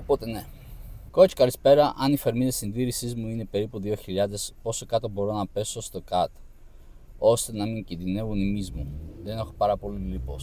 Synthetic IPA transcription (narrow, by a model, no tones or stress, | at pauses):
opot̪ene̞ | kot͡ʃkɐlispe̞ɾɐʔɐnife̞ɾmiðesinðiɾisizmuine̞pe̞ɾipuðio̞çiʎɐðe̞spo̞so̞kɐt̪o̞bo̞ɾo̞nɐpe̞so̞st̪o̞kɐt̪ | o̞st̪e̞nɐmiɲcinðine̞vunimizmuðe̞ne̞xo̞pɐɾɐpo̞lilipos